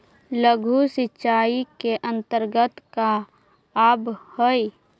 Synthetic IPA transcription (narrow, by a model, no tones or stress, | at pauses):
ləɡʱusɪtːt͡ʃaːikeʔə̃nt̪əɾɡət̪ka | aːbhəi